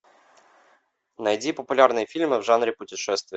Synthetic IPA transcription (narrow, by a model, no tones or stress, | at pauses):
nɐjdʲipəpʊlʲarnɨjəfʲilʲmɨvʐanɾʲɪpʊtʲɪʂɛst̪vʲjɛ